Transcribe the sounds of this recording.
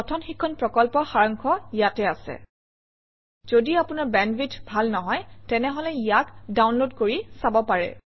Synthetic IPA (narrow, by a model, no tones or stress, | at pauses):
ɔtʰɔnxikʰːɔnpɹɔkɔlpɔxaɹɔŋkʰɔijatɛasɛ̰ | z̥odiapʊnaɹbɛnbitʰbʱalnɔɦɔjtɛnɛɦɔlɛijakdawnlodkoɹisabɔpaɹɛ̰